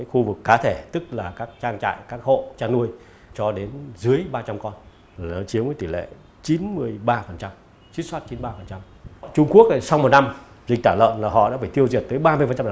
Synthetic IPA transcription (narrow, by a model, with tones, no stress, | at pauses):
a˨˦jxu˧vɨ˨˩kːaː˨˦t̪ʰe˧˩t̪ɨ˦˥k̚laː˨˩kaː˦˥k̚t͡ɕaː˧ŋt͡ɕa̰ː˧˨jkaː˦˥k̚ho̰˧˨t͡ɕaː˧ŋnu˧əj | t͡ɕɔ˧ɗe˨˦nzɨ˨˦əjɓaː˧t͡ɕa˧mkɔ˧n | aː˨˩nɔ˨˦t͡ɕi˨˦əwvəː˨˦t̪i˧˩lḛ˧˨ | t͡ɕi˨˦nmɨ˧əjɓaː˧fə˨˩nt͡ɕa˧m | t͡ɕi˦˥t̚swaː˦˥t̚t͡ɕi˨˦nɓaː˧fə˨˩nt͡ɕa˧m | t͡ɕʊ˧ŋ͡mku˦˥ək̚sa˧wŋ͡mmo˨˩t̚na˧m | zï˨˩ŋ̟t̪aː˧˩lə̰ː˧˨nlaː˨˩ɦɔ̰˧˨ɗaː˧˥faː˧˩jt̪i˧əwzi˨˩ət̚t̪əː˨˦jɓaː˧mɨ˧əfə˨˩nt͡ɕa˧m˨